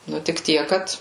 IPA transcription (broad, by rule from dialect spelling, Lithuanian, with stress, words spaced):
ˈnʊ tʲɪk ˈtʲiɛk ˈkɐt